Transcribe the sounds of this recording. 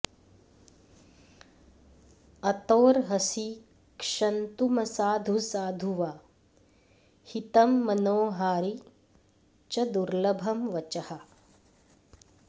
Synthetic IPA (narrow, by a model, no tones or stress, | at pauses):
ɐt̪oːɾɦɐsi | kʂɐnt̪umɐsaːd̪ʱusaːd̪ʱuʋa | hit̪ɐmːɐnoːɦaːɾi | t͡ʃɐd̪uɾlɐbʱɐmʋɐt͡ʃɐhɐ